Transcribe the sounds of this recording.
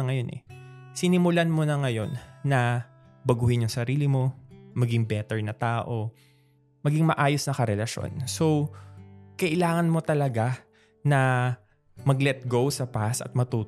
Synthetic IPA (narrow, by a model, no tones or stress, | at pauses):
ɐŋɐjo̞nʔɛ̰sɪnɪmʊlanmonɐŋɐjo̞nːɐ | bɐɡuːhɪnjʊŋsɐɾiːlɪmo̞mɐɡɪŋbɛt̪ɛɹnɐt̪aːʔo̞ | mɐɡɪŋmɐʔaːjosnɐkɐɾɛlɐʃo̰nso̞w | kɐʔɪlaːŋɐnmo̞t̪ɐlɐɡa | nɐ | mɐɡlɛt̪̚ɡo̞wsɐpasɐ̰t̪̚mɐt̪uː